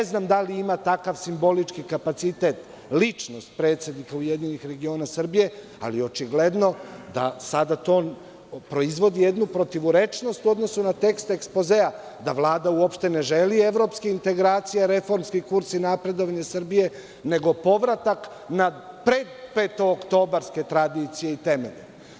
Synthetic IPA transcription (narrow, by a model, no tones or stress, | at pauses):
eznamd̪aliimat̪akaʋsimbo̞lit͡ʃkikapat̪sit̪et̪ | lit͡ʃno̞st̪̚pɾe̞ːt̪se̞d̪nikaujed̪ɲinixɾe̞ɡio̞ːnasr̩bije̞ | a̰lijo̞t͡ʃiɡle̞d̪no̞d̪a̰sad̪at̪o̞ː | pɾo̞izʋo̞d̪ijed̪nupɾo̞t̪iʋuɾe̞t͡ʃno̞st̪uo̞d̪no̞sunat̪e̞kst̪ekspo̞zea | d̪aʋlˠaːd̪auopʃt̪e̞ne̞ʒelie̞ʋɾo̞ːpskiint̪e̞ɡɾaːt̪sijaɾe̞fo̞ɾmskikuɾsinapɾe̞d̪oʋaɲasr̩bije̞ | ne̞ɡo̞po̞ʋɾat̪ak | napɾe̞d̪peːt̪ookt̪o̞ːbaɾske̞t̪ɾad̪it̪sije̞it̪e̞mḛʎḛ